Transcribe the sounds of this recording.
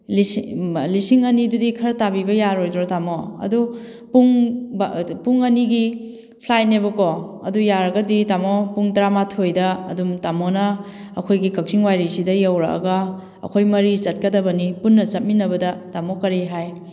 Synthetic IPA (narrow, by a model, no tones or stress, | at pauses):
lislisiŋɐnidudikʰɐɾtabibɐjaɾojdɾɔtamoɐ̰du | puŋbpuŋɐniɡi | pʰlaj̚nebɐkɔɐ̰dujaɾɐɡɐditamɔpuŋtɾamatʰojdɐɐ̰dumtamɔnɐ | ɐkʰojɡikɐk̚siŋwajɾisidɐjɐwɾa̰ɐ̰ɡɐ | ɐ̰kʰojmɐɾit͡ʃɐt̚kɐdɐbɐnipunːɐt͡ʃɐt̚minɐbɐdɐtamɔkɐɾiɦaj